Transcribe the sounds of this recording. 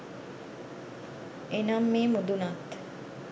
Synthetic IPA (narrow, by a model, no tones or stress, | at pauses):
enamːiːmud̪unat̪